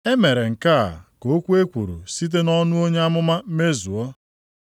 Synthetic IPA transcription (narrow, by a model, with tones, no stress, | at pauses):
e˦me˨ɾe˨ŋ̩˨ka̰˦˨ko˨˦kʷu˦e˦kʷu˨ɾṵ˨si˦t̬e˦nɔ˦nʊ˦o˦ɲe˦a˦mʊ˦ma˦m̩˦me˦zu˨ɔ˦